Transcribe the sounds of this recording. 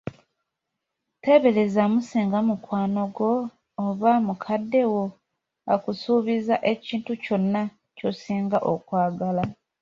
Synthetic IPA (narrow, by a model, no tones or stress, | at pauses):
te̞βe̞le̞zamusiːŋɡamukwaːno̞ɡo̞ː | βamukʰadːe̞wo̞ | akusuːβizaʔe̞ciːntuco̞nːa | co̞siːŋɡaʔokwaːɡala